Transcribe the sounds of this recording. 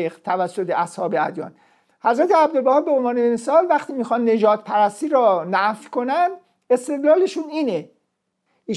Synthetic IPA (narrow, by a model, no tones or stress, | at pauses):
ixt̪ʰævæsːot̪ʰeʔæshɒːbeæd̪jɒ̰ːn | hæzɾæt̪ʰeæbd̪olbæhɑːbeonvɒːnemesɒːlvæxt̪iːmiːxɒnːe̞d͡ʒɒːd̪̥̚pʰæɾæst̪iːɾɒːnæfkʰo̞nænd̪ | e̞st̪e̞d̪lɒːleʃuniːne | i